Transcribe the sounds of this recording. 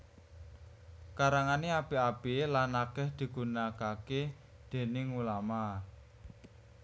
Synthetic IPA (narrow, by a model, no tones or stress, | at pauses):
kaɾaŋaneab̥iab̥elanːakɛhd̪̥i̤ɡ̥unakake | d̪̥e̤nɪŋulama